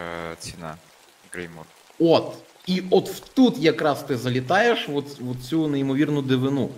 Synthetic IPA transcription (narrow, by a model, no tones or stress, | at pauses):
t͡sʲɪna̰ | ɡɾejmɔr | ot̪ | iɔt̪wt̪ut̪jɐkɾɑst̪ɪzɐlʲit̪ɑjeʃʋɔt̪ʋɔt̪̚t͡sʲuneimɔʋʲirnʊd̪ɪʋɪnu